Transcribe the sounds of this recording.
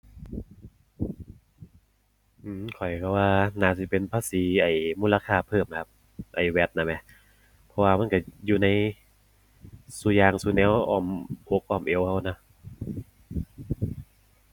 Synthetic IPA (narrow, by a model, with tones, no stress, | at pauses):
ʔɯː˧˩mkʰɔ˨˩jkʰa˧˩waː˧naː˧˩si˧˦pe˧npʰaː˧˨siː˨˦ʔa˨˩jmuː˧˥˨la˧kʰaː˧˩pʰɤː˧˩m˨kʰa˧˥p̚ | ʔa˨˩jwɛ˦˥t̪̚na˧˩ma˧˥ | pʰɔ˧waː˧ma˥˨nkɔ˧˥˩juː˧na˧˥˩j | su˧˦jaː˧ŋsuː˧nɛː˧˦wʔɔː˧˩mʔoː˧˦k̚ʔɔː˧˩mʔe˧˦wha˧˩wna˧˩